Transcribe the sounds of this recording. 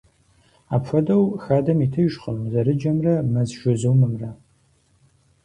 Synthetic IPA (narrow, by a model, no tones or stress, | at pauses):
aːpfɐdɐwxaːdɐmitʰɨʒχə̰mzɐɾɨd͡ʒɐmrɐmɐzʒʊzɨwmɨmrɐ